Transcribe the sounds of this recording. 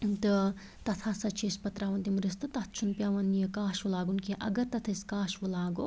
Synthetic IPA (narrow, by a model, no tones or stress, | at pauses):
t̪ɨ | t̪ɐt̪ʰaːsɐt͡ʃʰeːspɐt̪ɾaːʋɐnt̪imuɾest̪ɨt̪ɐt̪t͡ʃʰunpʲjaːʋɐnijɐkaːʃʋulaːɡunkiʔɐ̰ɡɐɾt̪ɐt̪ʰɐiskaːʃʋɐlaːɡo